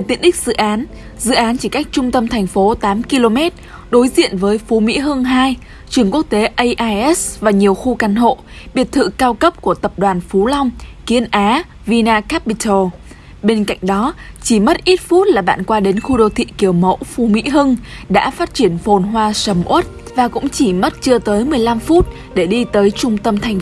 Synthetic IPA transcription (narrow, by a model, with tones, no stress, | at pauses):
e˨˩t̪i˨˦ənɗï˦˥k̟̚zɨ̰˧˨ʔaː˨˦n | zɨ̰˧˨ʔaː˨˦nt͡ɕi˧˩ka˦˥jk̟̚t͡ɕʊ˧ŋ͡mt̪ə˧mt̪ʰɛ˨˩jŋ̟fo˨˦t̪aː˨˦mki˧lo˧mɛ˦˥t̚ | ɗo˨˦jzḭ˧˨ənvəː˨˦jfu˨˦mḭ˧˥ɦɨ˧ŋɦaː˧j | t͡ɕɨ˧˩əŋku˦˥ək̚t̪e˨˦ʔə˧jʔaː˧jʔɛ˦˥svaː˨˩ɲi˨˩əwxu˧ka˨˦nɦo̰˧˨ | ɓi˨˩ət̚t̪ʰɨ̰˧˨kaː˧wkə˦˥p̚ku˧˩ət̪ə˨˩p̚ɗwaː˨˩nfu˨˦la˧wŋ͡mki˨˦ənʔaː˨˦ | vi˧naː˧ka˦˥pi˧t̪ʰo˧˩ | ɓe˧nka̰˧˨jŋ̟ɗɔ˨˦t͡ɕi˧˩mə˦˥t̚ʔi˦˥t̚fu˦˥t̚laː˨˩ɓa̰ː˧˨nkwaː˧ɗe˨˦nxu˧ɗo˧˨t̪ʰḭ˧˨ki˨˧˩əwmə̰˧˥wfu˨˦mḭ˧˥ɦɨ˧ŋɗa̰ː˧˥faː˦˥t̚t͡ɕi˧˩ənfo˨˩nɦwaː˧sə˨˦mʔu˦˥t̚ | vaː˨˩kʊ̰˧˥ŋ͡mt͡ɕi˧˩mə˦˥t̚t͡ɕɨ˧ət̪əː˨˦jmɨ˨˩əjla˧mfu˦˥t̚ | ɗe˧˩ɗi˧t̪əː˨˦jt͡ɕʊ˧ŋ͡mt̪ə˧mt̪ʰa˨˩jŋ̟